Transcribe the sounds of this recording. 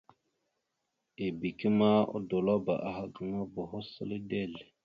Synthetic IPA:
e˨bi˨ki˦ma˦o̰˦do˨lo˦ba̰˨ʔa˨ha˨ɡə˦ŋa˦bo˨ɦo˦sə˦li˦de˦˨l

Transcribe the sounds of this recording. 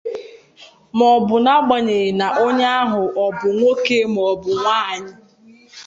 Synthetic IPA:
mɔ˨bʊ˨na˦ɡ͡ba˨ɲe˨na˨ʔo˦ɲe˦a˦ɦʊ˨ʔɔ˨bʊ˨ŋʷo˦ke˦mɔ˨bʊ˨ŋʷaː˦˨ɲɪ˦

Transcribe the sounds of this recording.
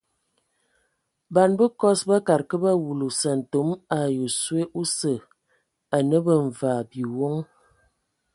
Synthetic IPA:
ba˨nbə˦kɔ˦sba˦ka˨ɾkə˦ba˦wu˨lu˨sə˨n̩˨to˨˦ma˨jo˨swe˦ʔu˦sə˨ | a˨nə˦bə˨ɱ̩˨va˨bi˨wo˦ŋ

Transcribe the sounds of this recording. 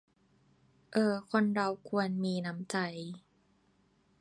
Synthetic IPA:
ʔɤː˧˩kʰo˧nɾa˧wkʰu˧ənmiː˧na˦˥mt͡ɕa˧j

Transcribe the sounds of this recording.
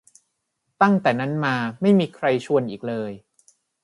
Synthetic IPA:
t̪a˥˩ŋt̪ɛː˨˩na˦˥nmaː˧ma˥˩jmiː˧kʰɾa˧jt͡ɕʰu˧ənʔiː˨˩k̚lɤː˧j

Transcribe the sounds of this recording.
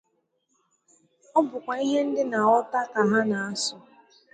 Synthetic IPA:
ɔ˦bʊ˨kʷa˨i˦ɦe˦n̩˦dɪ˦na˨ɔ˦ta˦ka˨ɦa˦na˨a˦sʊ˨

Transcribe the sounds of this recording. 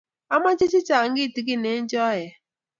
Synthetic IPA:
a˦ma˦t͡ʃɪ˦t͡ʃɪ˦t͡ʃa˨ŋ˦ɡɪ˦˨ti˨˦k̬i˦ne˨˦n˦d͡ʒɔ˦jɛ˨

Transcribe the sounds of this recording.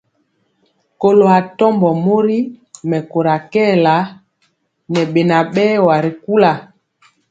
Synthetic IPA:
ko˨lo˨a˨tɔ˦mbɔ˨mo˦ɾi˦mɛ˨ko˨ɾa˨kɛː˦˨la˨˦ | nɛ˨ɓe˨na˨ɓɛ˦wa˨ɾi˨ku˦la˨

